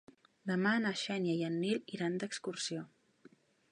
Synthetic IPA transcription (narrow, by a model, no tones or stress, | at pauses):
d̪əmanəʃɛnjajənːiliɾand̪əkskursio